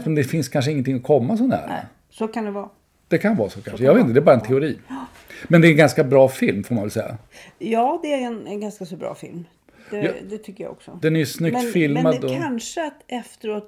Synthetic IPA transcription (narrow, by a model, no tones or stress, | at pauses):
mɛnd̪ɛfɪnskʰanʂ̬əɪŋːənt̪ʰɪŋːɔkʰɔmːas̬ɔnhæ̰ːɾ̰ | sokʰand̪ɛvɑː | d̪̥ɛkʰanvɑːsoːkʰanʂəjɑavet̪ɪnəd̪ɛbɑːɾaɛnt̪ʰɛʊɾiː | mɛnd̪ɛɾɛnɡanskabɾɑːfɪlmfoːɾmanvɛlsɛjːa̰ | jɑːd̪ɛæɾɛnɛnɡanskasɔbɾɑ̰ːfɪ̰lm̥ | ɛd̪ɛt̪ʰʏkːəja̰ɔ̰ksɔd̪ɛnæjʉsnʏkt̪fɪlmad̪ɔanʂəat̪ɛft̪əɾoːt̪